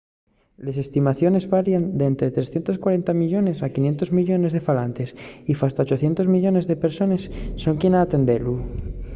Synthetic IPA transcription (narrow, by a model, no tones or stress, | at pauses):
le̞se̞st̪imaθjo̞ne̞zβaɾjand̪ent̪ɾet̪ɾe̞sθje̞nt̪o̞skwaɾe̞nt̪amiʎo̞ne̞sakinje̞nt̪o̞zmiʎo̞ne̞zðe̞falant̪esifast̪aot͡ʃo̞θje̞nt̪o̞zmiʎo̞ne̞zðe̞pe̞ɾso̞ne̞sːo̞ŋkjenaːt̪e̞nd̪elu